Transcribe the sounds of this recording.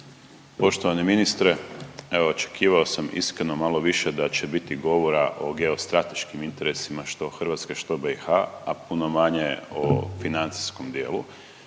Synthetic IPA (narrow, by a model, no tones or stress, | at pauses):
po̞ʃt̪oʋaneminist̪ɾeeʋoot͡ʃe̥kʰiːʋao̞samḭskɾeno̞malˠo̞ʋiʃed̪at͡ɕe̞bit̪iɡo̞ʋo̞ɾaʔo̞ɡe̞o̞st̪ɾat̪e̞ʃkimint̪e̞ɾe̞simaʃt̪o̞xr̩ʋat̪skeʃt̪o̞bexaapuno̞maɲeo̰finant̪si̥skomd̪je̞̰ːlu